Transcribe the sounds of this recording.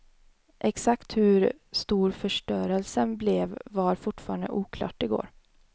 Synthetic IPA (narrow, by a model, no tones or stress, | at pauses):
ʔɛksakt̪hɵɾ | st̪uːɾfœʂʈœːɾəlsənblɛvːaɾfʊʈfɑːɾand̪ə̰ʔuːkʰlɑ̰ːʈɪɡo̰ːɾ